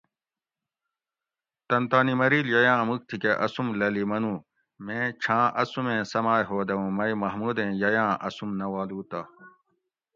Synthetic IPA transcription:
t̪ɐnt̪aːnimɐɾiːljɐjãːmuk̚t̪ʰikeʔɐsumlɐlimɐnũː | mẽːt͡ɕʰãːʔɐsumẽːsɐmaːjɦoːd̪ɐũːmɐjmɐɦmuːd̪ẽːjɐjãːʔɐsumnɐwaːluːt̪aː

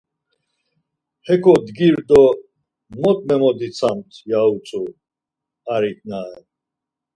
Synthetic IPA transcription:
hɛkʰɔd̪ɡiɾd̪ɔ | mɔt̪ʼmɛmɔd̪it͡sʰamt̪ʰjaut͡sʼu | aɾit̪̚ʰʼnaɛ

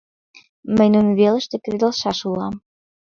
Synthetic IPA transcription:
məjnunβelə̆ʃt̪ɘ̆kɾid̪ɤ̆lˠʃɑʃulˠɑm

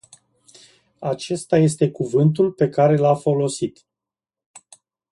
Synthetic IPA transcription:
at͡ʃe̞st̪aje̞st̪e̞kuvɨnt̪ulpe̞kaɾe̞lafo̞lo̞sit̪

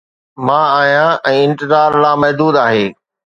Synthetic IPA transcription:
mãːaːɦijãʔɛ̃ːɪ̃nt̪ɪzaːɾlaːmɐɦd̪uːd̪aːɦeː

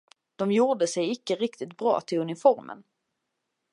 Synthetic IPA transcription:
d̪̥ɔmjuːɖəsɛjɪkːəɾɪkt̪ɪt̪̚bɾɑ̰ːt̪ʰɪlɵnɪfɔɾmə̰n

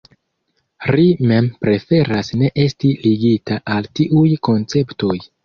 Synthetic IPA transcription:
ɾime̞mpɾe̞fe̞ɾasne̞ʔe̞stiliɡitaʔaltiʔujko̞nt͡se̞pto̞j

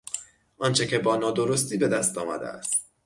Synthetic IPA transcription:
ʔɒːnt͡ʃʰecʰe̞bɒːnɒːd̪o̞ɾos̬t̪iːbe̞d̪æst̪ɒːmæ̰d̪ḛæ̰st̪

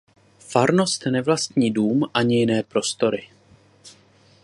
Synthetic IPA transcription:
faɾno̞st̪nɛvlast̪ɲiːduːmʔaɲɪjɪnɛːpɾo̞st̪o̞ɾɪ

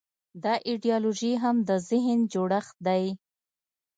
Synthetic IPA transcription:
d̪ɑʔiɖijɑloʒiɦamd̪əzɪɦnd͡ʒoɽaxd̪aj

